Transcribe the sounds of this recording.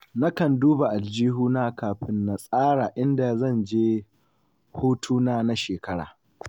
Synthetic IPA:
na˦kɐ˨nduː˦ba˨ʔa˨ld͡ʒiː˦ɦuː˦naː˦kaː˨ɸɪ˦nːa˨sʼaː˦ɽaː˨ʔɪ˦nda˨zɐ˦˨nd͡ʒeː˦ | hoː˦tʰuː˦naː˦na˦ʃeː˨kɐ˦ɽa̰ː˨

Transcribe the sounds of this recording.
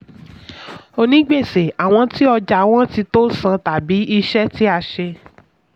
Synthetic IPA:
o˧nĩ˨˦ɡ͡be˦˨se˨a˨w̃ɔ̃˧ti˦ɔ˧d͡ʒa˨w̃ɔ̃˦ti˧to˦sã˧ta˨bi˨˦ʔi˧ʃɛ˦ti˦a˧ʃe˧

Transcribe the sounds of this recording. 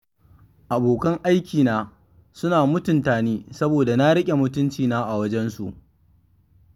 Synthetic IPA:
ʔa˨boː˨kɐ˦ŋʔa˦jkʲʰiː˨naː˦ | sʊ˦naː˨mʊ˦tʊ˨ntaː˨niː˦sɐ˦boː˨da˨na˦ɽɪ˦kʲʼe˨mʊ˦tʊ˦nt͡ʃiː˨naː˦ʔa˨wɐ˦d͡ʒɛ˦nsu˨ʔ

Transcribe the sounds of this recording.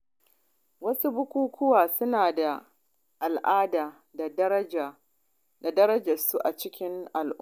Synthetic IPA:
wɐ˦su˦bʊ˦kʷuː˦kʰʷʊ˦waː˨sʊ˦naː˨da˨ | ʔa˨lʔaː˦daː˨ | a˨d | da˨dɐ˦ɾɐ˦d͡ʒɐ˨su˦ʔa˨t͡ʃɪ˦kʲɪ˦ŋʔa˨lʔʊ˦

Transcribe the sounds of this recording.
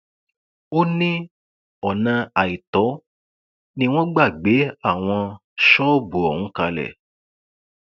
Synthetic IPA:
o˦nĩ˦ | ɔ˨nã˧a˨i˨tɔ˨˦ | nĩ˦w̃ɔ̃˦ɡ͡ba˦˨ɡ͡be˨˦a˦˨w̃ɔ̃˧ | ʃɔ˦˨bu˨ɔ˨hũ˨˦ka˧lɛ̰˨

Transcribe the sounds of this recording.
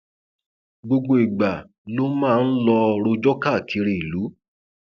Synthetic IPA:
ɡ͡bo˧ɡ͡bo˧i˨ɡ͡ba˨ | lo˦mãː˦˧n̩˦lɔ˧ɾo˧d͡ʒɔ˦ka˦˨kʰi˧ɾe˨i˨lu˨˦

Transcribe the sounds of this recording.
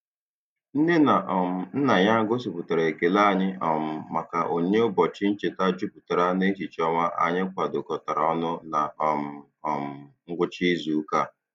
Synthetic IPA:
n̩˦ne˦na˨ʔɔ˨m̩˨n̩˦na˨ɲa˦ɡo˦si˨pʊ˨ta˨ɾa˨e˨ke˨la˦˨ɲɪ˦ʔɔ˨m̩˨ma˨ka˨ʔo˨ɲe˦ʊ˦bɔ˨t͡ʃɪ˦n̩˦t͡ʃe˨ta˦d͡ʒu˦pʊ̥˨ta˨ɾa˦ne˦t͡ʃi˨t͡ʃɔ˦ma˦ʔa̰˨ɲɪ˦kʷa˨dʊ˨kɔ˨ta˨ɾa˨ɔ˦nʊ˦na˨ɔ˨m̩˨ | ɔ˨m̩˨ŋ̩˦ɡʷʊ˦t͡ʃi˦zu˨˦ka˦˨

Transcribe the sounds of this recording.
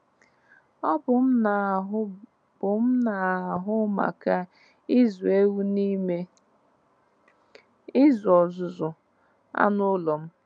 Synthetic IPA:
ɔ˦bʊ˨m̩˦na˨ɦʊ˦ | b̥ʊ˨m̩˦na˨ɦʊ˦ma̰˨ka˦ | ɪ˦zu˨e˦wu˦ni˦me˦ | ɪ˦zʊ˨ɔ˨zʊ˨zʊ˨ | a̰˦nʊ˦lɔ˨m̩˦

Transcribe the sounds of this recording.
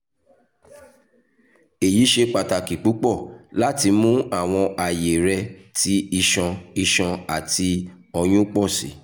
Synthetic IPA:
e˨ji˨˦ʃe˧k͡pa˨ta˨ki˨k͡pu˨˦k͡pɔ˦˨la˦ti˧mũ˦a˦˨w̃ɔ̃˧ʔa˨je˨ɾɛ˧tʰi˨˦i˧ʃɔ̃˧i˧ʃɔ̃˧a˨ti˧ | ɔ˧j̃ũ˦k͡pɔ˦˨sḭ˨˦

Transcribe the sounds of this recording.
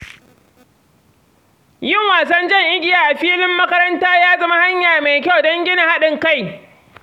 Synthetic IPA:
jɪ˦˨ŋwaː˨s̬ɐ˦nd͡ʒɐ˦˨ŋʔɪ˦ɡʲɪ˨jaː˨ʔa˨ɸiː˦lɪ˦mːɐ˦kɐ˦ɾɐ˦ntaː˦jaː˦zɐ˦ma˦ha˦ɲjaː˨ma˨jkʲa˦wdɐ˦ŋɡʲɪ˦nɪ˨ha˦ɗɪ˨ŋka˦˨j

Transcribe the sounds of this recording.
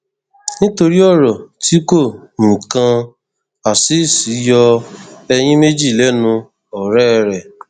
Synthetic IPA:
nĩ˦to˧ɾi˦ɔ˦˨ɾɔ˨ti˨˦ko˦˨mũ˨kã˧ | a˨si˨˦˨si˨˦jɔ˧ɛ˧j̃ĩ˦me˦d͡ʒi˦˨lɛ˦nũ˧ | ɔ˨ɾɛ˦˧ɾɛ˨

